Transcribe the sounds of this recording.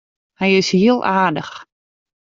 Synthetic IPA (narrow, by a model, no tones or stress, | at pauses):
hɛjɪshiəlˠʔaːdəx